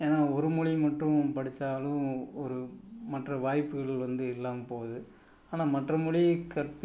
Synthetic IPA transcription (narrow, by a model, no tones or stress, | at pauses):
eːnaːɔɾɯmʊɻimɐʈrːʊ̃pɐɽɪt͡ʃːaːlʊ̃ɔɾɯmɐʈrɐʋaːjpːɯɣɐɭʋɐnd̪ɯɪlːaːmɐpoːðɯ | aːnaːmɐʈrɐmʊɻikɐɾp